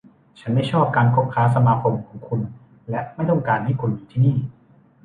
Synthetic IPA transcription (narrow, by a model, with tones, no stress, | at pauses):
t͡ɕʰa˦˥nma˥˩jt͡ɕʰɔː˥˩p̚kaː˧nkʰo˦˥p̚kʰaː˦˥s̬a˧maː˧kʰo˧mkʰɔː˩˦ŋkʰu˧n | lɛ˦˥ʔma˥˩jt̪ɔ˥˩ŋkaː˧nt̪ʰa˥˩kʰu˧nmiː˧t̪ʰiː˥˩niː˥˩